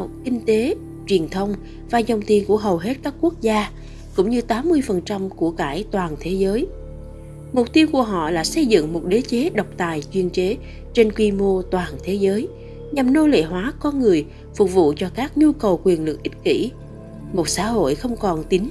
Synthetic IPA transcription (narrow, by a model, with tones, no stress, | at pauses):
kï˧ŋ̟t̪e˨˦ | t͡ɕwi˨˩ənt̪ʰə˧wŋ͡m | vaː˨˩zə˨˩wŋ͡mt̪i˧ənku˧˩əɦə˨˩wɦe˦˥t̚kaː˦˥k̚kːu˦˥ək̚zaː˧ | kʊ̰˧˥ŋ͡mɲɨ˧t̪aː˨˦mːɨ˧əjfə˨˩nt͡ɕa˧mku˧˩əkaː˧˩jt̪waː˨˩nt̪ʰe˨˦zəː˨˦j | mo˨˩k͡p̚t̪i˧əwku˧˩əɦɔ̰˧˨la̰ː˨˩sə˧jzɨ̰˧˨ŋmo˨˩t̚ɗe˨˦t͡ɕe˨˦ɗə˨˩wk͡p̚t̪aː˨˩jt͡ɕwi˧ənt͡ɕe˨˦ | t͡ɕe˧nkwi˧mo˧t̪waː˨˩nt̪ʰe˨˦zəː˨˦j | ɲa˨˩mno˧lḛ˧˨ɦwaː˨˦kɔ˧nŋɨ˨˩əj | fʊ˨˩k͡p̚vṵ˧˨t͡ɕɔ˧kaː˦˥k̚ɲu˧kə˨˩wkwi˨˩ənlɨ˨˩k̚ʔï˦˥p̚kḭ˧˥ | mo˨˩t̚sa̰ː˧˥ɦo̰˧˨jxə˧wŋ͡mkɔ˨˩nt̪ï˨˦ŋ